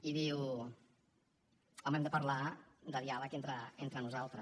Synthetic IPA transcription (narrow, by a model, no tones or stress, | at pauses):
iðiw | ɔmɛmd̪əpəɾlad̪əðialəkent̪ɾəent̪ɾənuzalˠt̪ɾə